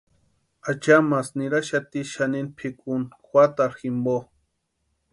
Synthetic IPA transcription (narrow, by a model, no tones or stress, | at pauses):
at͡ʃamasniɾaʃat̪iʃaninpʰikʼunxʷwat̪aɾximbo